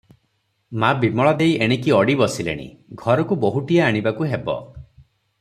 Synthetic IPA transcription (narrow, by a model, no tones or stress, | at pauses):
mabimɔɭɔd̪ejʔeɽ̃ekiɔɽibɔsilḛɽ̃ḭɡʱɔɾɔkuboɦuʈijaaɽ̃ibakuɦebɔ̰